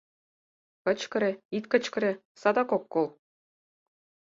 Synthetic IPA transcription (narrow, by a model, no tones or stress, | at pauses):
kɤ̆t͡ɕkɤ̆ɾʲĕit̪kɤ̆t͡ɕkɤ̆ɾʲĕ | sɑd̪ɑkokːolˠ